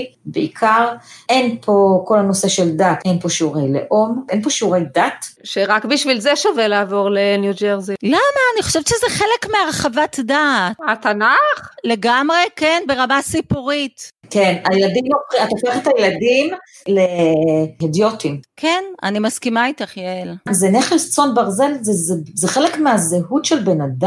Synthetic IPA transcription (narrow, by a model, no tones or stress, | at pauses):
beikʰaʁenpʰoko̞lanoseʃeldat̪enpo̞ʃeuʁejlḛʔomʔenpo̞ʃuʁejdat̪ʃeʁakbiʃvilzeʃavelaːvo̞ʁle̞njud͡ʒeʁzilamaːniχoʃevtʃezeχelekmeaʁeχavat̪datat̪anaχle̞ɡamʁe̞kenbe̞ʁamasipuʁitkenajeladimofiat̪ofeχet̪ajeladim | le | edjotimkʰena̰nimaskimait̪aχjelzeneχelst͡sonbaʁzelzezzeχelekmeazehutʃelbenada